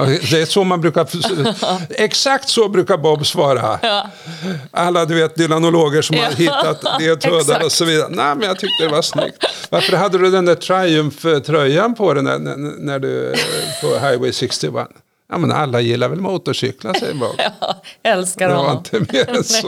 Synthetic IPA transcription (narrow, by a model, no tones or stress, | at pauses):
d̪ɛsɔmanbɾʉ̟ːka | ɛksakt̪sɔbɾʉ̟ːkaɾbɔbsvɑːɾa | ʔalːad̪ɵveːt̪̚d̪ɪlanʊloːɡəʂɔmhaɾɦɪt̪ːat̪d̪et̪ʰøːd̪aɾɔsɔviːd̪aɾə̰næɪmɛnjat̪ʰʏk̚t̪əd̪ɛvaʂnʏ̰kt̪vaɾfəɾɦad̪ːəd̪ɵd̪ɛnd̪æʈʰɾajɵmft̪ʰɾœjːanpʰɔd̪ɛnæ̰n̰næɖɵ̰pʰɔɦaɪwɛjsɪkst̪ɪva̰n | ja̰mɛnʔa̰lːajɪlːaɾvɛlmuːt̪ɔɕʏ̰klasɛ̰jbɑ̰ːkɛlsd̪ɛvaɾɪnt̪ʰəmeːɾs